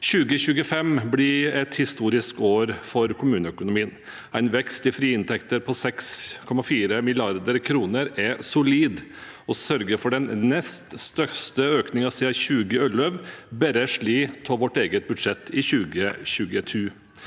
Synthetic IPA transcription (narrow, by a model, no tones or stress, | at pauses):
çʉːɡəçʉːɡəfɛmblɪɛt̪hɪst̪uːɾɪskoːɾfɔɾkʰʊmʉːnəœkʊnʊmiːən | æɪnʋɛkst̪ɪfɾiːɪnt̪ʰɛkt̪əɾpʰɔsɛkskʰɔmɑfiːɾəmɪlɪɑɾd̪əɾkʰɾuːnəɾɛsʊliːd̪ | ɔsœɾɡəɾfɔɖɛnnɛst̪st̪œst̪əøːknɪŋɑsiːɑçʉːɡəœlœʋbɛɾəʂɭiːt̪ʰɔʋɔʈːeːɡət̪̚bʉd̪ʂɛt̪ːɪçʉːɡəɕʉːɡətʰʉː